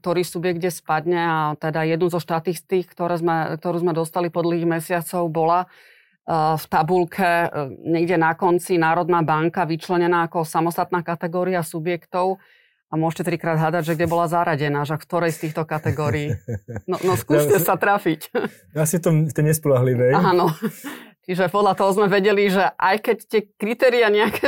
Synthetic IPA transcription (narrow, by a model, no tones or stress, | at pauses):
kt̪ɔɾiːsubjɛɡɟɛspad̪ɲɛat̪ɛd̪ajɛd̪nuzɔʃt̪at̪iːst̪iːxkt̪ɔɾɛːzmɛk̚t̪ɔɾuːzmɛd̪ɔst̪alipɔd̪l̩ɦiɣmɛsɪat͡sɔʊbɔla | ft̪abulkʰɛɲɛɡɟɛnakɔnt͡sinaːɾɔd̪naːbaŋkaʋit͡ʃlɛɲɛnaːkɔsamɔst̪at̪naːkat̪ɛɡɔːɾiasubjɛkt̪ɔʊ | amʊɔʃcɛt̪ɾikɾaːd̪ɦlad̪aɟʒɛɡɟɛbɔlazaɾaɟɛnaːʃakft̪ɔɾɛjst̪iːxt̪ɔkat̪ɛɡɔːɾiːnɔnɔskuːʃɛsat̪ɾafic | asift̪ɔmft̪ɛjɲɛspɔlaɦliʋɛjanɔ | t͡ʃiʒɛpɔd̪lʎat̪ɔɦɔzmɛʋɛɟɛliʒɛʔajkɛct̪ɪɛkɾit̪ɛːɾiaɲɛakʰɛ